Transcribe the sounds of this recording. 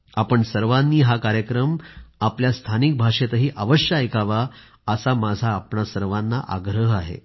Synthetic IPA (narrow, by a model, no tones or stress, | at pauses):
apəɳsəɾʋãnːiːɦakaɾjəkɾəmapljast̪ʰanik̚bʱaʂet̪əɦiːʔaʋəɕjaekaʋa | əsamad͡zʱaːpɳasəɾʋãnːa̰ʔa̰ɡɾəɦaɦḛ